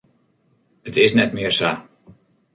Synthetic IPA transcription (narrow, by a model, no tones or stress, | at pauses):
ətɪsnɛtmɪərsa